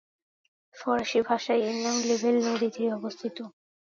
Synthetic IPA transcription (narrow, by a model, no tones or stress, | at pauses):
fɔɾaʃibʱaʃajinːamlebʱelnod̪it̪eɾiɔbost̪ʰit̪o